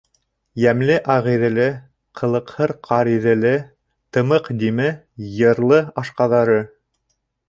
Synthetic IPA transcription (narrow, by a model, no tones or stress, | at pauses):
jæmlɘʔɑʁiðɘ̆lɘ | qʰɤ̆lˠɤ̆qhɤɾqʰɑɾiðɘ̆lɘ | t̪ɤ̆mɤqd̪imɘ | jɤ̆ɾlˠɤɑʃqɑðɑɾɤ